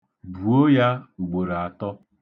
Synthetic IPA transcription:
bu˨o˦ja˦u˨ɡ͡bo˨ɾa˨tɔ˦

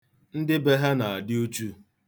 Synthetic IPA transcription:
n̩˦dɪ˦be˦ɦa˦na˨a˨dɪ˦u˦t͡ʃu˦

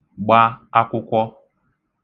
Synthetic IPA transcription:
ɡ͡ba˦a˦kʊ˦kʷɔ˦

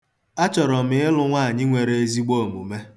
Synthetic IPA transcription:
a˦t͡ʃɔ˨ɾɔ˨m̩ɪ˦ɪ˦lʊ˦ŋʷa˦a˨ɲɪ˦ŋʷe˨ɾe˨e˦zi˦ɡ͡bo˦˨mu˨me˦

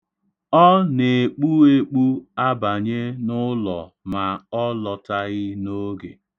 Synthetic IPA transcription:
ɔ˦ne˨k͡pu˦e˦k͡pu˦a˦ba˨ɲe˦nʊ˦lɔ̰˨ | ma˨ɔ˦lɔ˨ta˦ɣɪ˦no˦ɡḛ˨

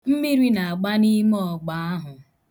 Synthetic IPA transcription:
m̩˦mi˦ɾi˦na˨a˨ɡ͡ba˦ni˦mɔ˦˨ɡ͡ba˨a˦ɦʊ˨

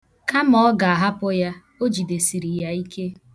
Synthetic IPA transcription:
ka˦mɔ˦ɡa˨a˨ɦa˦pʊ˦ja˦ | o˦d͡ʒi˨de˨si˨ɾi˨ja˦i˦ke˦

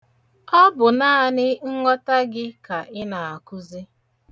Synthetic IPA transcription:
ɔ˦bʊ˨naː˦a˦˨nɪ˦ŋ̩˦ŋɔ˦ta˦ɡɪ˦ka˨ʔɪ˦na˨a˨kʊ˦zi˦

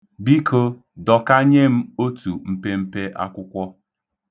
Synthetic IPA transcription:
bi˦kʰo˦ | dɔ˨ka˦ɲe˦m̩˦o˦tu˨m̩˦pe˦m̩˦pe˦ʔa̰˦kʷʊ˦kʷɔ˦

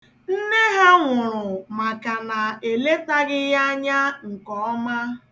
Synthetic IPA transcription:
n̩˦ne˦ɦa˦ŋʷʊ˨ɾʊ˨ma˨ka˨na˨e˨le˦ta˦ɣɪ˦ja˦a˦ɲa˦ŋ̩˨kɔ˨ɔ˦ma˦

